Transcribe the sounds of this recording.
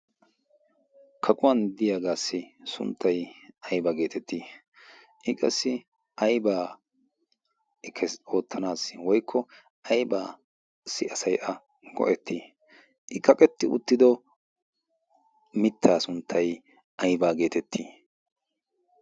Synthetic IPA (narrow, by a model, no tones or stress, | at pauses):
kʰɐkʼʊwɐnd̪ɪjaːɡaːsːɪsʊ̰nt̪ʰːɐjɐjbaɡe̞ːt̪ʰɛt̪ːiː | ʔɪkʼɐsːɪ | ʔɐjbaː | ɪkʰːɛo̞ːt̪ʰːɐnaːswɔjkʰːɔ | ʔɐjbaː | sɪʔɐsɐjʔɐ | ɡɔ̰ʔɛt̪ʰːiː | ʔɪkɐkʼɛt̪ːɪʊ̰t̪ːɪd̪ɔ | mɪt̪ʰːaːsʊnt̪ʰːɐj | ʔɐjbaːɡe̞ːt̪ɛt̪ʰːiː